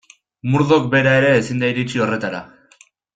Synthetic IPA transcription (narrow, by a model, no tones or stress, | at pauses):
muɾðo̞kbe̞ɾae̞ɾe̞ːsind̪aiɾit͡ʃio̞re̞t̪aɾa̰